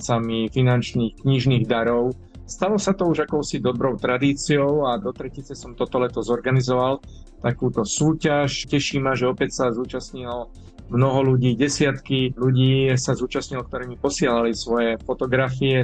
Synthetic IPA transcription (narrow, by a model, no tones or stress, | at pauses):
t͡samifinant͡ʃniːxkɲiʒniːɣd̪aɾɔʊ | st̪alɔsat̪ɔuʒakɔʊsid̪ɔbɾɔʊt̪ɾad̪iːt͡siɔʊad̪ɔt̪ɾɛcit͡sɛsɔmt̪ɔt̪ɔlɛt̪ɔzɔɾɡanizɔʋal | t̪akuːt̪ɔsuːcaʃcɛʃiːmaʒɛɔpɛcsazuːt͡ʃasɲilɔ | mnɔɦɔluɟiːɟɛsɪat̪kiluɟiːsazuːt͡ʃasɲilɔk̚t̪ɔɾɛːmipɔsɪɛlalisʋɔjɛfɔt̪ɔɡɾafiɛ